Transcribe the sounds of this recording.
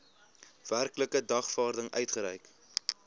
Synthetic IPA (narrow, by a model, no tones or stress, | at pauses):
v̥ærkləkədɐχfɑːrdəŋœ̰ɥtχəɾɛjk